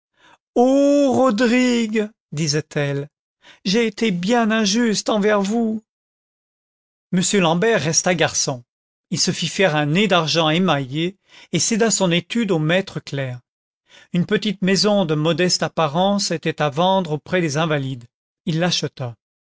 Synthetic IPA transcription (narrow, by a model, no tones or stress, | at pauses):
oʁɔd̪ʁiɡ | d̪izɛt̪ʰɛl | ʒeːt̪ebjɛ̃nɛ̃ʒyst̪ɑ̃vɛʁvu | məsjølɑ̃bɛʁːɛst̪aɡaʁsɔ̃ | ilsəfifɛʁɛ̃ned̪aʁʒɑ̃emaje | esed̪asɔ̃net̪yd̪omɛt̪χəklɛʁ | ynpət̪it̪mɛzɔ̃d̪əmɔd̪ɛst̪apaʁɑ̃set̪ɛt̪avɑ̃d̪ʁopχɛd̪ezɛ̃valid̪ | ilːaʃət̪a